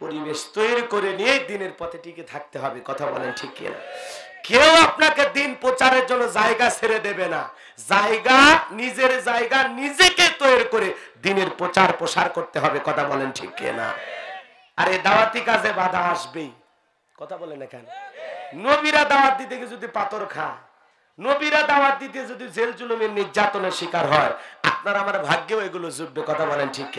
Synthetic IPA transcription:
poɾibeʃt̪oeɾkoɾeniejd̪ineɾpɔt̪ʰeʈiket̪ʰak̚t̪eɦɔbekɔt̪ʰabɔ̰lenʈʰikːḛna̰kewapnaked̪inpɾot͡ɕaɾeɾd͡ʑonːod͡ʑaeɡasʰeɾed̪ebena | d͡ʑaeɡanid͡ʑeɾd͡ʑaeɡanid͡ʑeket̪ojeɾkoɾed̪ineɾpɾot͡ɕaɾpɾoʃaɾkoɾt̪eɦɔbekɔt̪ʰabɔlenʈʰḭkːḛna̰ | aɾed̪aoat̪ikad͡ʑʰʱebad̪ʱaaʃbe | kɔt̪ʰabɔlenːakɛ̰n | nobiɾad̪aoaɾ̚d̪it̪̬eked͡ʑod̪ipat̪oɾkʰa | nobiɾad̪aaɾ̚d̪it̪̬ed͡ʑod̪id͡ʑeld͡ʑulomiɾniɾd͡ʑat̪oneɾʃikaɾɦɔea̰p̚naɾaamaɾbʱaɡːeoeɡulod͡ʑubːekɔt̪ʰabɔlenʈʰikːe

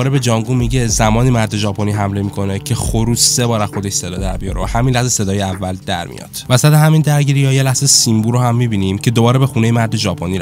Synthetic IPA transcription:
ɾebe̞d͡ʒɒːŋɡuːmiɟe̞zæmɒːniːmæɾd̪e̞ʒɒːpʰoniːɦæmle̞miːkʰo̞ne̞cʰe̞xoɾuːsːebɒːɾæxo̞d̪eʃse̞d̪ɒːd̪æɾbijɒɾohæminlæhzese̞d̪ɒːjeævːæld̪æ̰ɾmḭjɒ̰ːd̪̥væsæd̪ehæmiːnd̪æɾɟiːɾijɒːjelæhzesimbuːɾohæmːibiːniːmcʰe̞d̪o̞bɒːɾe̞be̞xuːne̞jemæɾd̪e̞ʒɒːpʰoniː

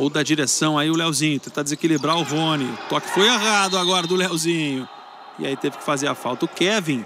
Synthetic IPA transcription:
owd̪ɐd͡ʒiɾesɐ̃w̃aiʊlɛwzĩɲʊt̪ẽt̪ad͡ʒ̪ɪzekilibɾaʊɦõnɪsɔkɪ̥fojeɣad̪ʊaɡɔɾɐd̪ʊlɛwzĩɲʊ | ɪ̰a̰it̪evɪ̥kɪ̥fazeɾafawt̪ɐʊkɛvĩ

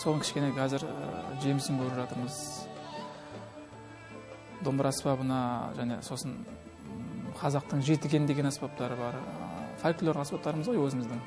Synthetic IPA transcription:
soləŋkʲʰɪ̥ʃkʲe̞neqʰɑzɪɾ̰ʒe̞mɪsɪŋkʲʰɵɾɪpʒɑt̪əɾməz | d̪ombəɾɑspɑbənɑʒæne̞̰so̞sən | qʰɑzɑq̚t̪əɴʒe̞t̪ɪɡʲe̞nɪd̪e̞ɡʲenɑspɑp̚t̪ɑɾəbɑɾfajklˠo̞ɾɑspɑp̚t̪ɑɾəməzʁojwɵzɪmɪzd̪ɪŋ

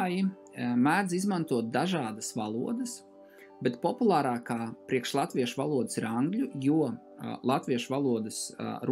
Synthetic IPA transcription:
ji | mæːd̪zizmant̪uɔt̪̚d̪aʒɑːd̪əsvalˠṵɔd̪əs | bɛt̪pɔpulˠaːɾaːkaːpɾiɛkʃlˠat̪vʋʲiɛʃʋalˠuɔd̪ə̥siɾaŋɡlʲujuɔ | lˠat̪ʋʲiɛʃvalˠuɔd̪əsɾ

